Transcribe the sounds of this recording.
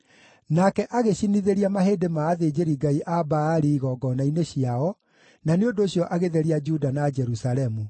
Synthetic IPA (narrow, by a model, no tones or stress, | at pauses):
nakɛʔaɣeɕiniðeɾiamaheːdemaːðed͡ʒeɾiɡaiʔabaːɾiɣɔɡɔnaineɕiaɔ | naneondoːɕjɔʔaɣeðeɾiad͡ʒudanad͡ʒɛɾusaɾɛmu